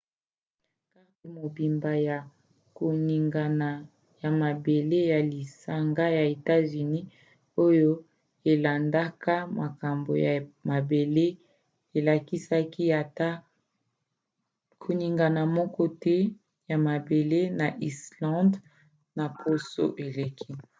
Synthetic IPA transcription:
ka˦i˨mo˨bi˨mba˨ja˨ | ko˨ni˨ŋɡa˨na˨ | ja˨ma˨be˨le˦ja˨li˨sa˨ŋɡa˦ja˨e˨ta˦zy˨ni˦ | o˦jo˦ | e˨la˨nda˦ka˦ma˨ka˨mbo˨ja˨ma˨be˨le˦ | e˨la˨ki˦sa˦ki˦ja˨ta˦ | kʰo˨ni˨ŋɡa˨na˨mɔ˦kɔ˦tɛ˦ | ja˨ma˨be˨le˦na˨ʔi˨slɑ̃˦nd | na˨pʰo˦so̰˦ʔe˨le˨kʰi˦

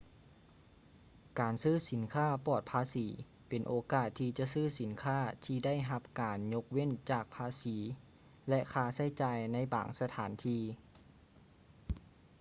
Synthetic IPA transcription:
kaː˨nsɯː˥˩˨si˩˦nkʰaː˥˩pɔː˨˩t̪̚pʰaː˧siː˩˦ | pe˨nʔoː˨˦kaː˨˩t̪ʰːiː˧t͡ɕa˧ʔsɯː˥˩si˨˩˦nkʰaː˥˩t̪ʰiː˧da˥˩˨jɦa˧p̚kaː˨nɲo˧k̚we˥˨nt͡ɕaː˨˩k̚pʰaː˧siː˩˦ | lɛ˧˥ʔkʰaː˧sa˧˥˩jt͡ɕaː˨˧jna˧˥˨jba̰ː˨˩ŋsa˧t̪ʰa̰ː˩˦nt̪ʰiː˧

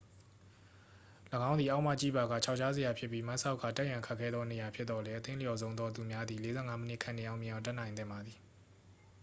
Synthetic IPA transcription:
ləɡã˦ʊnd̪i˨ʔa˦ʊʔma̰˦˨t͡ɕḭ˦˨ba˨ɣa̰˦˨t͡ɕʰa˦ʊʔt͡ɕʰa˦ze˨ja˨pʰjɪ˦pːi˦mã˦ʔsa˦ʊkʰːa̰˦˨tɛ˦ʔjã˨ŋkʰa˦kʰːɛ˦d̪ðɔ˦ne˨ja˨pʰjɪ˦t̪t̪ːɔ˨lɛ˦ʔət̪ɪ̃˦lə˦jɔ˨zõ˦ʊ̃nd̪ɔ˦t̪̬u˨mja˦d̪i˨le˦zɛ˦˨ŋa˦mə˦nɪ̰˦kʰã˨ne˨ʔã˦ʊmj̃ɪ̃˨ã˨ʊ̃tɛ˦ʔnã˨ɪ̃nɪ̃˦˨mba˨d̪ði˨

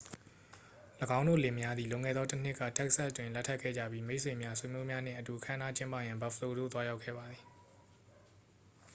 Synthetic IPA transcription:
ləɡã˦ʊ̃no̰˦˨le˨mja˦d̪ði˨lʊ̃˨ŋɛ̰˦˨d̪ðɔ˦tən̥ɪ˦˨kːa̰˦˨tɛ˦kəsa˦stwɪ̃˨lɛ˦tʰːa˦ʔkʰɛ̰˦˨d͡ʑa̰˦˨bji˦me˦ɪʔsʰwẽ˨mja˦swe˨mjo˦mja˦n̥ɪ̰̃˦˨ʔətu˨ʔəkʰã˦ə̃˦na˦t͡ɕɪ̃˦mpä̰˦˨jã˨mba˨fʰəlo˨d̪o̰˦˨t̪wa˦ja˦ʊkʰɛ̰˦˨ba˨d̪ði˨

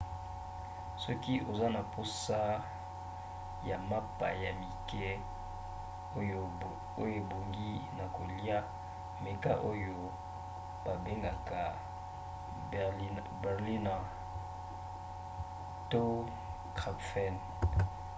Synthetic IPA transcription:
sɔ˦ki˦ʔo˨za˦na˨po˦sa˦ | ja˨ma˦pa˨ja˨mi˨kɛ˦ | o˦jo˦ | o˦jo˦˨bo˨ŋɡi˦na˨ko˨li˦a˦ | me˨ka˦ʔo˦jo˦ | ba˨be˦ŋɡa˨ka˨˦ | bɛ˨ʁli˦na˨ | to˦ | kʁa˨pfɛ˦˨n

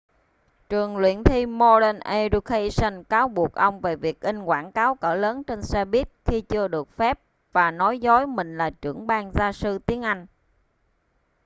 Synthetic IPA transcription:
t͡ɕɨ˨˩əŋlwḭ˧˩˨ənt̪ʰi˧mo˧ɗə˧nʔe˧ɾu˧kʰe˧sə˧nkaː˨˦wɓu˨˩ək̚ʔə˧wŋ͡mve˨˩vi˨˩ək̚ʔi˧ŋ̟kwaː˧˩nkaː˨˦wkəː˧˩ləː˨˦nt͡ɕe˧nsɛ˧ɓi˦˥ət̚xi˧t͡ɕɨ˧əɗɨ˨˩ək̚fɛ˦˥p̚ | vaː˨˩nɔ˨˦jzɔ˨˦jmï˨˩ŋ̟laː˨˩t͡ɕɨ˧˩əŋɓaː˧ŋzaː˧sɨ˧t̪i˨˦ənʔa˧jŋ̟

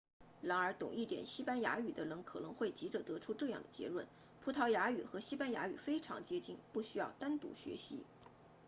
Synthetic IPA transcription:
ɻa˧˥nə˞˧˥t̪ʊ̰˨˩ŋi˥˩t̪jɛ̰˨˩nɕi˥pa˥nja̰˧˥y˨˩d̪ə˦lə˧˥ŋkʰɤ˨˩nɤ˧˥ŋxwe˥˩ɪt͡ɕi˧˥ʈ͡ʂə˥˩t̪ɤ˧˥ʈ͡ʂʰu˥ʈ͡ʂɤ˥˧jɑ̰˥˩ŋd̪ə˩t͡ɕjɛ̰˧˥lwə˥˩n | pʰu˧˥t̪ʰɑ˧˥ʊja˧˥y˨˩xɤ˧˥ɕi˥pa˥nja̰˧˥y˨˩fe˥ɪʈ͡ʂʰɑ̰˧˥ŋt͡ɕjɛ˥t͡ɕi˥ŋpu˥˩ɕy˥jɑ˥˩ʊt̪a˥nt̪ṵ˧˥ɕɥɛ̰˧˥ɕḭ˧˥

